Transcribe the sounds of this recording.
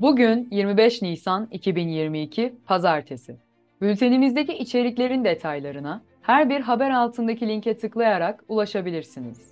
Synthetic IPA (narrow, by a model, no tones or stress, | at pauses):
buɟynjiɾmibɛʃnijsanicʰibinjiɾmiːcʰipʰazaɾt̪ʰesɪ | bylʲt̪ʰe̞nimizd̪e̞ciʔːt͡ʃʰe̞ɾicʲlʲe̞ɾind̪e̞t̪ʰajlˠaɾɯna | hæɾbiɾɦabæɾalˠt̪ʰɯnd̪acʰilʲiɲcʰɛt̪ʰɯklˠajaɾakulˠaʃabilʲiɾsinḭz̥